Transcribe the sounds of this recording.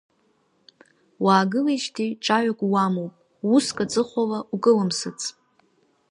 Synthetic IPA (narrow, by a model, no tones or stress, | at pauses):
waːɡɨlejʃtʰiʈ͡ʂʼaɥakʷʼwamowpʼ | uskʼat͡sʼɨχʷalaʔukʼɨlɨmsɨt͡sʼ